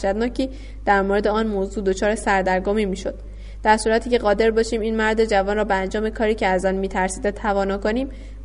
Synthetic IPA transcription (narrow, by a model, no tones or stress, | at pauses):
ʃæd̪nɒːcʰiː | d̪̥æɾmoɾe̞d̪e̞ɒːnmoːzuːd̪o̞t͡ʃʰɒːɾe̞sæɾd̪æɾɡomiːmiːʃo̞d̪̥ | d̪æɾsuːɾæt̪ʰiːcʰe̞ɣɒːd̪e̞ɾbɒːʃiːmiːnmæɾd̪e̞d͡ʒævɒːnrɒːbeænd͡ʒɒːme̞kʰɒːɾiːcʰeæzɒːnmiːt̪ʰæɾsiːd̪et̪ʰævɒːnɒːkoniːm